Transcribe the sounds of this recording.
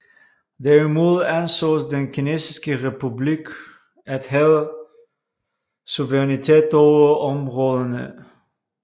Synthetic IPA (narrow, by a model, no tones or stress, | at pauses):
dɛɹmulˠɛnsosdənkinesi̥skərepyblik | ɛtɦelˠ | suvəʁɛnitɛːtoəɔmrɔlənə̰